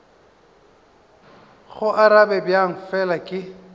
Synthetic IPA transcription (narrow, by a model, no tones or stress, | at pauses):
ɣʊʔaɾabɛbjaŋ̩fɛlakʼɪ